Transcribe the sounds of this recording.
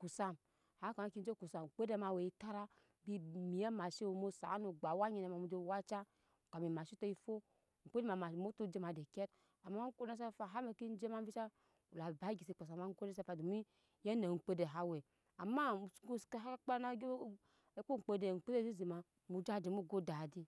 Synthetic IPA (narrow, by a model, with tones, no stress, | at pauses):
ku˨sa˦m | ha˦ka˨ma˦ki˦n˦d͡ʒe˦ku˨sa˨m˨k͡pe˦de˦ma˨we˨i˦ta˦ɾa˦ | bi˦mi˨a˦ma˨ʃi˦˨mo˦sa̰˨˦nu˨ɡ͡ba˨wa˦ɲi˨na˨ma˨mu˨d͡ʒo˦wa˦t͡ʃa˦˨ | ka˨mi˨ma˨ʃi˦to˦i˦fo˦ | ŋ̩˨k͡pe˦de˦ma˨ma˨mo˦tu˦d͡ʒe˦ma˨de˨ke˦t | a˨ma˦ŋ̩˦ko˦a˦s̬a˦fa˨ɦa˦me˨ki˦n˦d͡ʒe˦ma˦m˦vi˦t͡ʃa˦ | u˨la˨ba˨˦ɡi˨si˨k͡po˨s̬a˨ma˦ŋ̩˦ko˦e˦s̬a˦fa˨du˨mi˦ | je˦ne˨ŋ̩˨k͡pe˦de˨ɦa˦we˨ | a˨ma˦˨˦ku˦skɦa˦k͡pa˦na˦ | ku˦ŋ̩˨k͡pe˦de˨ŋ̩˨k͡pe˦de˦˨zi˦zi˨ma˨ | mu˨d͡ʒa˦˨di˨˦mu˦ɡo˦da˨di˦